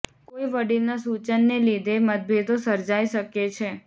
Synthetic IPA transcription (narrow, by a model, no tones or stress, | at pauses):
koiʋəɽiɾnasut͡ʃənːelid̪ʱemət̪̚bʱed̪osəɾd͡ʒaiʃəket͡ʃʰe